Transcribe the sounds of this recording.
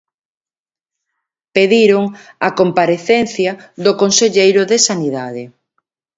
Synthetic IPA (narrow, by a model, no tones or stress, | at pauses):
peðiɾoŋakompaɾeθɛnθjɐðʊkonseʎejɾʊðesaniðaðe